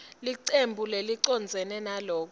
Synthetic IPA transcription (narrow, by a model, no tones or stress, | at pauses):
liǀembʱuleliǀɔnd͡zʱɛnɛnalɔːk̬